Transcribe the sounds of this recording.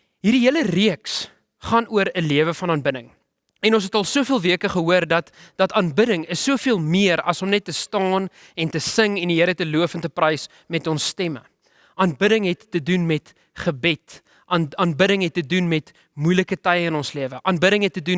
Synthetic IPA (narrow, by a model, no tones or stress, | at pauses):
ɦirdiɦiələriəks | χɑːnuəɾəliəvəfɐnɑːnbədəŋ | ɛnɔ̃ns̬ɛtɐlˠsuəfiəlˠviəkəχəɦuərdɐtdɐtɑnbədəŋəsːuəfiəlˠmiəɾɐ̰sɔmnɛtːəstɑːn | ɛntəsəŋɛndiɦəɾətəluəfəntəprɐjs | mɛtɔnsːtɛmə̰ | ʔɑːnbəɾəŋɦɛtːədunmɛt | χəbɛt | ʔɑnɑnbəɾəŋɦɛt̚ːədunmɛt | mujləkətɐjəənɔnsliəvəʔɑːnbəɾəŋɦɛtːədun